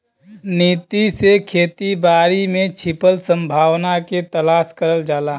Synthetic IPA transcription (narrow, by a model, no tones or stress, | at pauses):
niːt̪isekʰeːt̪ibaːɾimẽt͡ʃʰɪpəlsə̃mbʱaːwnaket̪əlaːskəɾəld͡ʒaːlaː